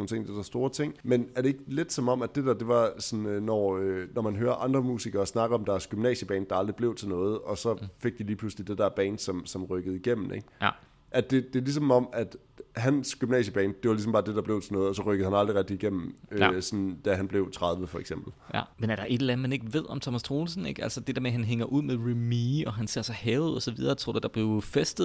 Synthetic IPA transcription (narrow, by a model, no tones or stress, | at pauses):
oːn̩t͡sʰe̝ŋ̰d̥ed̥æɐsd̥o̝ːɐt͡sʰe̝ŋ̰menæɐɾee̝ɡ̥əle̝d̥sɒ̽mɒ̽m̰æd̥e̝dæd̥e̝ʋɑ̈sɒ̽nønɒønɒmænɦøːɐʔɑ̈nd̥ʁɐmṵːsiɡ̥ɐ̽ːsnɑ̈ɡ̥ðˠɒ̽md̥ɑ̈æsɡ̥ymnɛ̰ːɕəb̥ɛ̰ːn̥ɑ̈ɑ̈ld̥ʁib̥le̝ʊt͡sʰe̝lnɔ̽ːð̞̩ˠɒ̽sɒ̽fe̝ɡ̥̚d̥iliːpʰluslid̥ed̥æɐb̥ɛ̰ːnsɒ̽msɒ̽mʁœɡ̥ð̞̩ˠiɡ̥em̰m̩eɡ̥ | ʔæd̥e̝d̥e̝lis̬ɒ̽mɒ̽mæd̥ | hænsɡ̥ymnɛ̰ːɕəb̥ɛ̰ːnd̥e̝ʋɑlis̬mbɑ̈ːd̥e̝d̥ɑ̈b̥le̝ʊt͡sʰe̝lnɔ̽ːð̩ˠɒsɒ̽ʁœɡ̥əð̩ˠhænɑ̈ld̥ʁiʁɛɡ̚d̥iiɡ̥em̰m̩øsɒ̽nd̥æɦænb̥le̝ʊt͡sʰʁɑð̞ˠʋəfɒ̽eɡ̥semb̥l̩j̰menæɐd̥ɑ̈ʔe̝d̥elænð̩ˠmene̝ɡ̥əʋe̝ð̞̰ˠɒ̽mt͡sʰɒ̽mæst͡sʰʁo̝ːlsn̩eɡ̥ælsɐd̥e̝d̥ḛɐmeɦænɦeŋɐʔuð̞̰ˠmeðˠʁimiɒ̽ɦænse̝ɐ̰sɑhɛːʊð̩̰ˠɒ̽sɒʋiðˠɐːt͡sʰʁo̰d̥æd̥ɑ̈b̥le̝ʊfesd̥ð̩ˠ